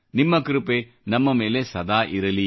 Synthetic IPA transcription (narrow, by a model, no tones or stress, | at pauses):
nimːɐkɾupe | nɐmːɐmeːlesɐd̪aːʔiɾɐli